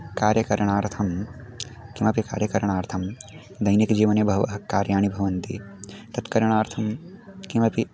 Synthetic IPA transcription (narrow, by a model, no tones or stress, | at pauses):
kaːɾjɐkɐɾɳaːɾt̪ʰɐm | kimɐpika̰ːɾjɐkɐɾɐɳaːɾt̪ʰɐm | d̪ɐjnikd͡ʒiːʋɐneːbʱɐʋɐ̰ɦɐkaːɾjaːɳibʱɐʋɐnt̪ḭt̪ɐt̪kɐɾɐɳaːɾt̪ʰɐmkimɐpi